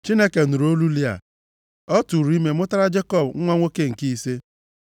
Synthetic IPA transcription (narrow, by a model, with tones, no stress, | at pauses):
t͡ʃi˦ne˦ke˨nu˨ɾo˦lu˦li˦a̰˨ | ɔ˦tu˨ɾu˦i˦me˦mʊ˦ta˦ɾa˦d͡ʒe˦kɔ˦bŋ̩˦ŋʷɔ˦ŋʷo˦ke˦ŋ̩˨ki˦i˦se˦